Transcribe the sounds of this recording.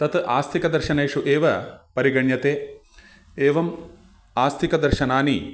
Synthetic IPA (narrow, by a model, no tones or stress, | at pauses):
t̪ɐt̪ʔaːst̪ʰikɐd̪ɐɾʃɐnɐjʂuʔeːʋɐpɐɾiɡɐɳjɐt̪eː | eːʋɐm | aːst̪ʰikɐd̪ɐɾʃɐnaːni